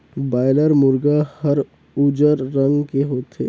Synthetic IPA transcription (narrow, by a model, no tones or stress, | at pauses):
baːɪləɾmʊɾɡahɐɾ | ud͡ʒəɾːə̃ŋɡkeɦoːt̪ḛː